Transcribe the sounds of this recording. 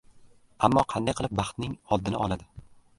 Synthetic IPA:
amːɒqʰɑnd̪ajqʰɨlˠɪp̚bɑχt̪nɪŋɒd̪ːɪnɪ̰ɒlˠad̪ɪ

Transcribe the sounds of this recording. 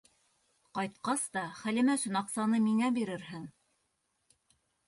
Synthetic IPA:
qɑjt̪qɑst̪ɑχælɘ̆mæʃɘ̆nɑqsɑnɤmiŋæbiɾɘɾɦɘŋ

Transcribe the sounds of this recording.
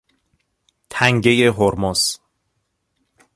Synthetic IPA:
t̪ʰæŋɟe̞je̞ɦoɾmos

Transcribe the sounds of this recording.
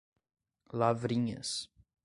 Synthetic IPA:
lavɾĩɲɐ̰s

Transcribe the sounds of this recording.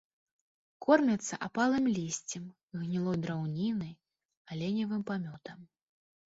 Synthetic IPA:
kɔrmʲɐt̪sːɐ̰ʔapalˠɨmlʲisʲt͡sʲɛm | ɣnʲilˠɔjd̪ɾawnʲinɐj | alʲɛnʲɐvɨmpamʲɔt̪ɐm

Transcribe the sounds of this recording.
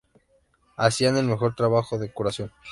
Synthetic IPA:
asiane̞lme̞xo̞ɾt̪ɾaβaxoðe̞kuɾasjo̞n

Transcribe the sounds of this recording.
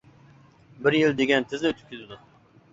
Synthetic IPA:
bɪɾjilˠd̪eɡʲɛnt̪ʰɪznɛøt̪ʰy̥kʲʰːyzɪd̪u

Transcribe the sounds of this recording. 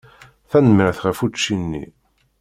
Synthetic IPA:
θænəməɾθʁæfut͡ʃːinːḭ

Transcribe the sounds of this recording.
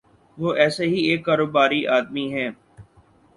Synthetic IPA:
ʋoːʔɛːseɦieːkːaːɾoːbaːɾiʔaːd̪miɦɛ̃ː

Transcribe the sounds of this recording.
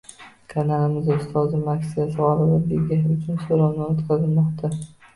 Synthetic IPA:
kʰanalɪmɪzɪst̪ʰɒzɪmakʲsɪjasɪʁɒlɪlaɾd̪eɡʲahʊt͡ʃʰʊnsoɾawnɪɒt̪qʰɑzɪlmɒqt̪ʰa

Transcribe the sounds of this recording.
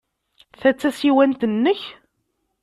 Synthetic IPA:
θæt͡sːæsiwænt̪ənːəç

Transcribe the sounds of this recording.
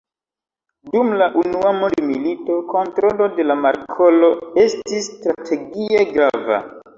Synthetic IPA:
dumlaʔunuamondmilito̞ko̞ntɾo̞lo̞de̞lamaɾkʰo̞lo̞e̞stistɾatʰe̞ɡieɡɾava̰

